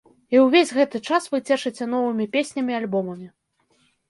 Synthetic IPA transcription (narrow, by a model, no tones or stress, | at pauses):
iwvʲezʲɣɛt̪ɨt͡ʂasvɨt͡sʲɛʂɨt͡sʲɛn̪ɔvɨmʲipʲesʲnʲɐmʲialʲbɔmɐmʲi